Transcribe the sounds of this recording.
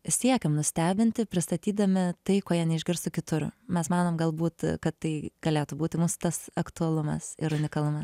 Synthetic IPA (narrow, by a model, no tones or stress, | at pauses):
sʲiɛkʲɛmnʊsʲt̪ʲæːbʲɪnʲt̪ʲɪpʲɾʲɪst̪ɐt̪ʲiːd̪ɐmʲɪt̪ɐɪkoːjɛːnʲɛɪʒʲɡʲɪɾst̪ʊkʲɪt̪ʊɾmʲɛsmɑːnoːmɡɐlˠbuːt̪kɐt̪t̪ɐɪɡ̥ɐlʲeːt̪ubuːt̪ʲɪmuːsʊ̥t̪ɐsɐkt̪ʊɐlˠʊmɐ̰sɪɾʊnʲɪkɐlˠʊmɐs